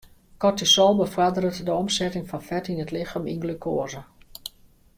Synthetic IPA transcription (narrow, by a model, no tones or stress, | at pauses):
kɔtisɔlˠbəfwadərətdəɔmsɛtɪŋfɔnfɛtinətlɪxaminɡlykʰoːəzə